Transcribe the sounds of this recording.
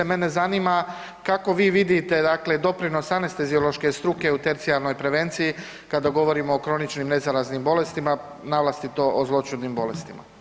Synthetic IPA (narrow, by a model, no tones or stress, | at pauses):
emene̞zaniːma | kako̞ʋiːʋid̪it̪e̞d̪akle̞d̪o̞pɾino̞sanest̪ezio̞lˠo̞ʃke̞st̪ɾuke̞ut̪e̞ɾt̪sialˠno̞jpɾe̞ʋe̞nt̪siji | kad̪aɡo̞ʋo̞ɾimoːkɾo̞nit͡ʃnimne̞zaɾaznimbo̞le̞st̪ima | naʋlˠast̪it̪o̞ʔozlˠo̞t͡ʃud̪nimbo̞le̞st̪ima̰